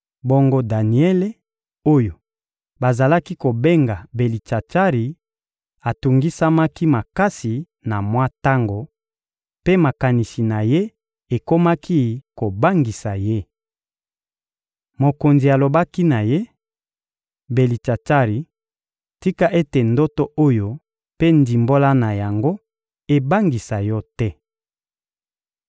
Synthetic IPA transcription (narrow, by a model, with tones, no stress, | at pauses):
bo˦ŋɡo˦da˨ni˨ɛ˦le˦ | o˦jo˨ | ba˨za˨la˦ki˦ko˨be˦ŋɡa˨be˨li˨t͡ʃa˨ta˦ʁi˨ | a˨tu˨ŋɡi˦sa˦ma˦ki˦ma˨ka˦si˨ | na˨mwa˦ta˦ŋɡo˨ | pe˦ma˨ka˨ni˨si˨na˨je˦ | e˨ko˦ma˦ki˦ko˨ba˦ŋɡi˨sa˨je˦ | mo˨ko˨nzi˨a˨lo˨ba˦ki˦na˨je˦ | be˨li˨ta˨ta˦ʁi˨ | ti˦ka˦ʔe˦te˨ndo˦to˦o˦jo˨ | pe˦ndi˨mbo˦la˦na˨ja˨ŋɡo˦ | e˨ba˦ŋɡi˨sa˨jɔ˦tɛ˦